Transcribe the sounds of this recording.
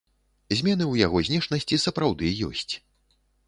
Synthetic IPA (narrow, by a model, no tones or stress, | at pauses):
zʲmʲɛn̪ɨwjaɣɔzʲnʲɛʂnɐsʲt͡sʲisɐpɾawd̪ɨjɔ̰sʲt͡sʲ